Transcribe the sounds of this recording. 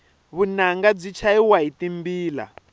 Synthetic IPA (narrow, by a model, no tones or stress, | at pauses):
βunaŋɡab͡ʐit͡ʃʰaiwaitimbiːla̰